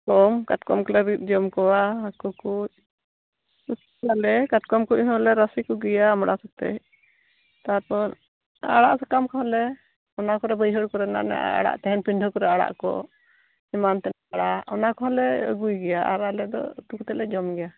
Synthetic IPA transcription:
kɔmkatkɔmkɔlɛɾit̪̚ˀd͡ʒɔmkɔwaəkukuc̚ | ut̪ | alɛkat̪̚kɔmkuc̚ɦɔ̃lɛɾəsikɔɡɛjaːmɽʔasɔk̚t̪ɛ̰j | t̪aɾpɔɾ | a̰ɽa̰ʔsɛkamkɔɦɔlɛ | ɔnakɔɾɛbəjɦəɽkɔɾɛna̰ʔna̰ʔa̰ɽa̰ʔt̪ɛɦɛnpiɳɖʱɔkɔɾɛaɽa̰ʔkɔ̰ | imant̪ɛ | aɽaɔnakɔɦɔlɛə̰ɡujɡɛjaʔa̰ɾaʔlɛd̪ɔ̰t̪ukt̪ɛlɛd͡ʒɔmɡɛja

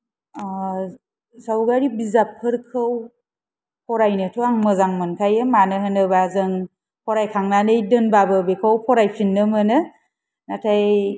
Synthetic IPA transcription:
zawɡaɾibizap̚ʰːɯɾkʰɯw | pʰɔɾajnɯtʰoaŋmɯzaŋmɯnkʰajɯmanɯɦɯnɯbazɯŋ | pʰɔɾajkʰaŋnanɯjdɯnbabɯbekʰawpʰɔɾajpʰinːɯmɯnɯ | natʰaj

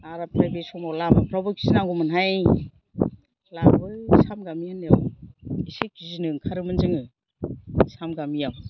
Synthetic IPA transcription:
aɾapɾajbesɔmawlamɯpʰɾabɯki̥sinaŋɡumɯnɦaj | lambɯsamɡamijanjawisek̚kizinɯŋkʰaɾɯmɯnzɯŋɯ | samɡamijaw

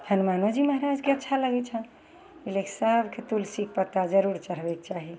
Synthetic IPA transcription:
hənmanod͡ʒiməɦəɾad͡ʒkeətːʃʰaləɡɛt͡ʃʰə | ileksəbket̪ulsik̚ʰpət̪ːad͡ʒəɾuɾt͡ʃəɾ̤bɛk̚t͡ʃaɦi

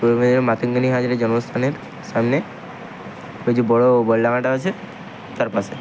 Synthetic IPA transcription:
omed̪lmat̪ʰəŋɡəniɦad͡ʒɾed͡ʒɔnməst̪ʰaneɾ | samne | bed͡ʒubɔɭobɔlːaɡãʈaət͡ʃʰe | t̪aɾpase

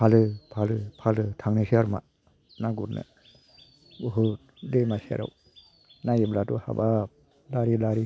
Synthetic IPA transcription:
pʰalɯpʰalɯpʰalɯtʰaŋnesiaɾma̰ | naɡuɾna̰ | uɦɯt̚ | demasia̰ɾa̰w | najiblatuha̰bap̚ | laɾilaɾi

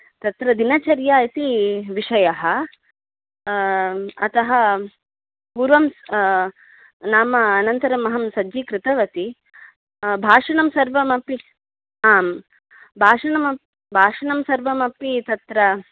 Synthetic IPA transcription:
t̪ɐt̪ɾɐd̪inɐt͡ʃɐɾjaːit̪iʋiʂɐjɐɦɐ | ɐt̪ɐɦɐ | puːɾʋɐms | naːmɐːnɐnt̪ɐɾɐmɐɦɐmsɐd͡ʒikɾɪt̪ɐʋɐt̪i | bʱaːʂɐɳɐmsɐɾʋɐmɐpi | aːm | bʱaːʂɐɳɐmɐ | bʱaːʂɐɳɐmsɐɾʋɐmɐpit̪ɐt̪ɾɐ

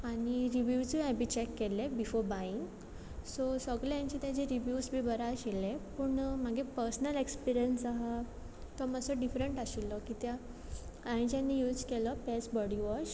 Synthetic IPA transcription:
aɽ̃iɾiʋjut͡suɛ̃bit͡ɕekːelebifoɾbaiŋɡ | sosəɡljaɲt͡ɕit̪jat͡ɕeɾiʋjusbʱiːbəɾaɕelepuːɳm̤aɡepəɾsnəlekspiɾijənsaɦa | t̪ɔməsɔɖifɾəɳʈaɕilːɔkit̪ja | ãĩt͡ɕjanːijuːd͡zkelɔpɛsbɔɽiʋɔɕ

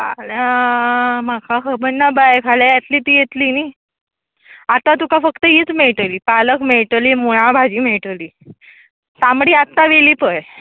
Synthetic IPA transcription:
ala | makʰaɦəbənːabajkʰalajat̪liːt̪iːjet̪liːniː | at̪at̪ukafəkt̪əit͡smeɭʈ̪əliːpaləkmeɭʈliːmuɭ̃ãbʱad͡ʑiːmeɭʈəliː | samɽiːat̪ːaʋeliːpəj

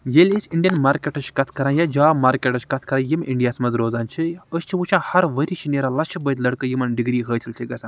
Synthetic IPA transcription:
jelʲisʲiɳɖijɐnmaːɾkʲeːʈəʃkɐt̪ʰkɐɾãːjad͡ʒaːmaːɾkʲeːʈəʃkɐt̪ʰkɐɾãːjimʲiɳɖijaːsmɐzɾoːzaːnt͡ʃʰiəst͡ʃʰiʋut͡ʃʰãːhɐɾʋəɾiːt͡ʃʰineːɾaːlɐt͡ʃʰibəːt̪lɐɽkəjimɐnɖiɡɾiːɦəːt̪ʰʲilʲt͡ʃ̪ʲʰiɡɐsãː

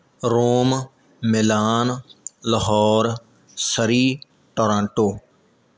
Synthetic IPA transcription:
ɾoːm | mɪlaːnləɦɔːɾ | səɾiː | ʈoːɾãːɳʈoː

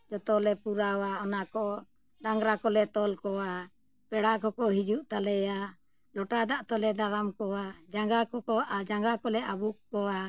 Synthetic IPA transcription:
d͡ʒɔt̪ɔlɛpuɾawaɔnakɔ | ɖaŋɡɾakɔlɛt̪ɔlkɔwa | pɛɽakɔkɔɦid͡ʒuʔt̪alɛja | lɔʈad̪aʔt̪ɔlɛd̪aɾamkɔwad͡ʒaŋɡakɔɔd͡ʒaŋɡakɔlɛʔabukːɔwa

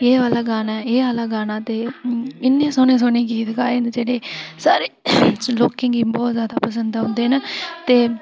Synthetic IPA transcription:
eːʋaːlaːɡaːnaːeːʋaːlaːɡaːnãːt̪eːɪnːẽːsoːnẽːs̬oːnẽːkiːt̪kaːeːd͡ʒeːɽeːsaːɾeːloːkẽːŋɡiːbɔːt̪zjaːd̪aːpəs̬ənd̪ɦʊ̃nd̪eːnaːt̪eː

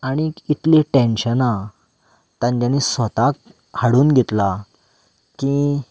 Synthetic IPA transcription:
aɽ̃iit̪leʈenɕəna | t̪ãɲd͡ʑanisət̪ak̚ | haɽuːnɡʱet̪la | ki

